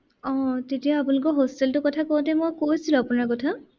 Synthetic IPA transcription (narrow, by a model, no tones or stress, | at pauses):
ɔ̃tetijaːpunlʊkɔɦostɛltʊkɔtʰakowtɛmojkojsilʊ̃apunaɹkɔtʰa